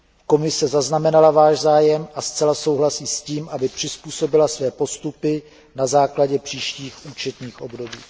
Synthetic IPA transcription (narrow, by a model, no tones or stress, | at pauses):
ko̞mɪsɛzaznamɛnalavaːʃzaːjɛmʔast͡sɛlaso̞wɦlasiːsciːmʔabɪpr̝̥ɪspuːso̞bɪlasvɛːpo̞st̪upɪ | nazaːklaɟɛpr̝̥iːʃciːxʔuːt͡ʃɛt̪ɲiːxʔo̞bdo̞biː